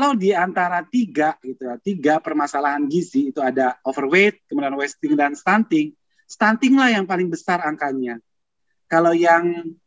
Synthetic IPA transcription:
kalawdiant̪aɾat̪iɡaʔɡit̪ujat̪iɡaʔpərmasalaɦanɡisiːt̪uadaofərwet̪̚kəmudianwɛst̪ɪŋdanst̪ant̪ɪŋ | st̪ant̪ɪŋlahjaŋpalɪŋbəsaraŋkaɲa | kalawjaŋ

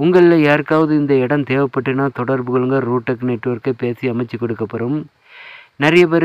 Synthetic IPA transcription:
ʊŋɡɐɭɪlɐjaːɾɯkːaːʋɐðɯɪnd̪ɐɪɽɐmt̪eːʋɐpːɐʈːɯnaːt̪ɔɽɐɾbɯɣɐɭɯŋɡɐɾuːʈːɐkːnɛʈːɯʋɐɾkɐpeːsiɐmɐɪt͡ʃːɯkːɔɽɯkːɐpːɐɾɯm | nɪɾɐjɐpɛɾ

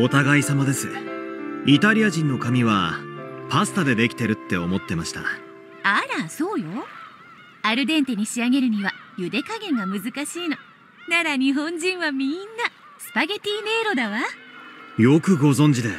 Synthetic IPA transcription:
o̞t̪aɡaisamad̪e̞sɨ | it̪aɾʲiaʑĩnːo̞kamʲiβapasɨ̥t̪ad̪e̞d̪e̞kʲi̥t̪e̞ɾɯ̟t̪ːe̞omo̞t̪ːe̞maɕi̥t̪a̰ | aɾaso̞ːjo̞ | aɾɯ̟d̪ẽ̞nt̪e̞ɲ̟iɕiaɡe̞ɾɯ̟ɲ̟iβajɯ̟d̪e̞kaɡẽ̞ŋɡamɯ̟zɨkaɕiːno̞ | naɾaɲ̟iɦõ̞ɲd͡ʑĩɰ̃βamʲinːa | sɨ̥paɡe̞t̪ʲiːne̞ːɾo̞d̪aβa | jo̞kɯ̟ɡo̞zõ̞ɲ̟d͡ʑid̪e

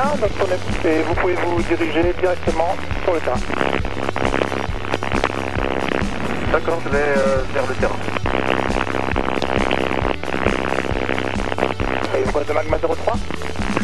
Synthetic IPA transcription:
ɛ̃d̪ɔ̃kpəneevupuvevud̪iʁiʒed̪iʁɛk̚t̪əmɑ̃ | syʁlət̪eʁɛ̃ | d̪akɔːʁʒəvɛøfɛʁlət̪eʁɛ̰̃ | fajevupad̪emaɡmazeʁot̪χwa

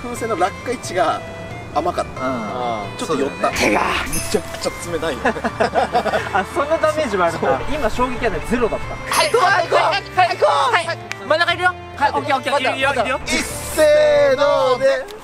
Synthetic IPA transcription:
ɸɯ̟ːse̞ːnːoɾakːait͡ɕiɡaː | makat̪ːat͡ɕot̪ːojonːaeɡamet͡ɕakɯ̟̥t͡ɕat͡sɨme̞naijo | asõ̞nːat̪ameːd͡ʑiβaːɾɯt̪oɾeʔimaɕo̞ːɡe̞kʲiad̪ed͡ze̞ɾo̞d̪at̪ːaa | aohamanakaiɾɯjo | aokkeaɾjoiseːd̪oːd̪e

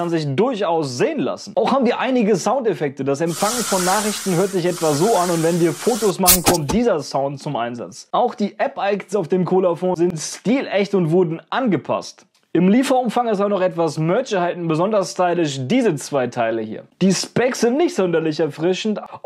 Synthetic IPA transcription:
anzɪçdʊɐçʔaʊsz̥eːənla̰sn̩ʔaʊxhaːbm̩viːɐʔaɪnɪɡəsaʊntefɛk̚tədasɛmfaŋənfɔnːaːχʁɪçtn̩høːɐtz̥ɪçʔɛtv̥aszoːanʊntvɛnviːɐfoːtosmaχn̩kʰɔmt̚d̥iːzɐsaʊnt̚t͡sʊmʔa̰ɪnza̰t͡sʔaʊxd̥iːʔɛpʔaɪknsaʊfd̥eːmkʰoːlafõːnzɪntstiːlʔɛçtʊntv̥ʊɐdn̩ʔanɡəpʰa̰st | ʔɪmliːfɐʊmfaŋɛstabɐnɔχɛtv̥asmœɐt͡ʃəhaɪtn̩bəzɔndɐsstaɪlɪʃ̬d̥iːzət͡sv̥aɪtʰaɪləhḭːɐd̥iːspɛksz̥ɪntnɪçtz̥ɔndɐlɪçɛɐfʁ̥ɪʃn̩t

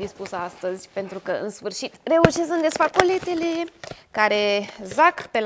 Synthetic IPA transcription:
d̪ispusəast̪əzʲpe̞nt̪ɾukəɨnsfɨrʃit̪re̞uʃesɨnd̪esfakolet̪elekaɾe̞zakpe̞l

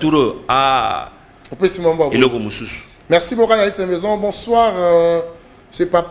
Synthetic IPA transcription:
tuɾoa | opesimãbabelokomũsusu̥ | mɛʁsibokãnalisɛ̃mɛzɔ̃bɔ̃swaʁ | sepa

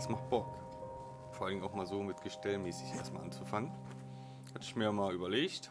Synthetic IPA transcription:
smaχt̚b̥ɔk | foːɐʔaldɪŋʔaʊxmaːlzoːmɪtɡ̥əʃtɛlmɛːsɪçʔḛɐstmalʔant͡sufaŋən | hatɪçmiːɐmaːlʔyːbɐleːçt

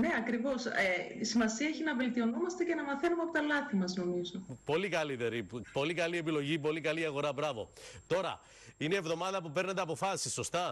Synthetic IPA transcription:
ne̞ɐkɾivo̞seisimɐsiɐeçinɐve̞lt̪io̞nomɐst̪ece̞nɐmɐθe̞numeɐpo̞t̪ɐlɐθimɐzno̞mizo̞po̞likɐliðeɾipo̞likɐlie̞p̬ilo̞ʝip̬o̞likɐliɐɣo̞ɾɐbɾɐvo̞̰t̪o̞ɾɐ̰ | ineːvðo̞mɐðɐpupe̞ɾnet̪eɐpo̞fɐsisːo̞st̪ɐ

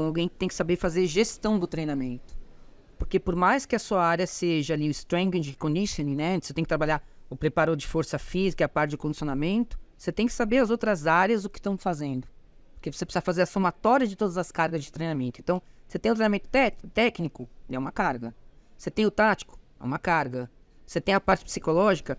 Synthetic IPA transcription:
awɡẽj̃kɪ̥t̪ẽj̃kɪ̥sabefazeɾʒest̪ɐ̃w̃d̪ʊt̪ɾejnamẽnt̪ʊ̥ | poɾkepoɾmajskɪɐsuɐaɾjɐseʒɐːliʊ̃ɪst̪ɾẽɡĩd͡ʒkõnisõnĩnɛ̃set̪ẽkɪt̪ɾabaʎaɾʊpɾepaɾod͡ʒɪfoɾsɐfizikɐɛɐpaɾt͡ʃɪɪʊkõd͡ʒisjonamẽnt̪ʊ̥set̪ẽj̃kɪ̥sabeɾɐzowt̪ɾɐzaɾjɐzʊkɪ̥st̪ɐ̃w̃fazẽnd̪ʊ | poɾkevosepsafazeɾɐsomat̪ɔɾiɐzd͡ʒɪt̪od̪ɐzɐskaɾɡɐzd͡ʒɪt̪ɾejnamẽnt̪ʊẽnɐ̃w̃ | set̪ẽj̃t̪ɾejnamẽt̪ʊ̥t̪ɛt̪ɛknikʊɛũmɐkaɾɡɐset̪ẽj̃ʊt̪at͡ʃi̥kʊ̥ | ɛ̰ũmɐkaɾɡɐ | oset̪ẽj̃ɐpaɾt͡ʃɪ̥psikolɔʒikɐ

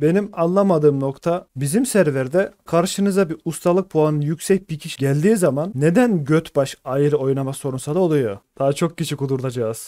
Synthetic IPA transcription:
be̞nimanlˠamad̪ɯːmno̞kt̪ʰabizimsæɾvæɾd̪ɛkʰaɾʃɯnɯzd̪abiust̪ʰalˠɯk̚pʰoanɯnjycʲsɛc̚bicʰiʃiɟælʲd̪iːzamanːe̞d̪ænɟøt̪baʃajɯɾɯo̞jnamaso̞ɾunsad̪ao̞lˠujod̪̥aːt͡ʃʰo̞k̚cit͡ʃʰikud̪uɾd̪ad͡ʒaːz̥

